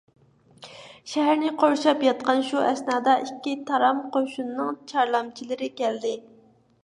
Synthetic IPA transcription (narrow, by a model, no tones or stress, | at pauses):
ʃɛɦæɾnɪqʰoɾʃɑpjɑt̪̚qɑnʃuɛsnɑːd̪ɑʔikʲːit̪ʰɑɾɑmqoʃunːɨŋt͡ʃʰɑɾlˠɑmt͡ʃʰilɪɾɪkʲɛld̪ɪ